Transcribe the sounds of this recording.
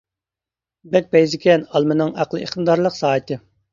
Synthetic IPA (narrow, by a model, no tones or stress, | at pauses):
bɛk̚ʲpɛjzɪkʲʰɛnɑlˠmɨnɨŋæqlˠɨḛχmd̪ɑɾlˠəqsɑːɨt̪ʰɨ